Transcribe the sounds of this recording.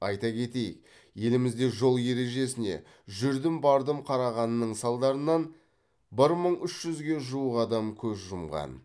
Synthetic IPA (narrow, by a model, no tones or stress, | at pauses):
ɑjt̪ɑkʲʰe̞t̪e̞jɪ̰k̚ | je̞lɪmɪzd̪e̞ʒo̞lˠje̞ɾe̞ʒe̞sɪne̞̰ | ʒʏɾd̪ɪmbɑɾd̪əmqʰɑɾɑʁɑnənəɴsɑlˠd̪ɑɾənɑn | bɪɾməɴʏʃʒ̥ʏzɡʲe̞ʒuwəqɑd̪ɑmkʲʰɵzʒʊmʁɑ̰n